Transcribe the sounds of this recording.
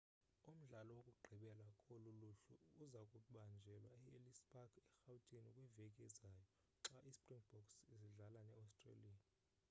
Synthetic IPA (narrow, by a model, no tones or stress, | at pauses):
um̩ɮalɔwokʼuɡ͡ǃʱiɓɛlakʼoluluɬuuzakʼuɓand͡ʒʱɛlwaɛelisbakɛxautʼinikʼwivɛkʼɛzajɔ | ǁaʔispʼriŋb̥ɔksiziɮalanɛawstʼrḛlia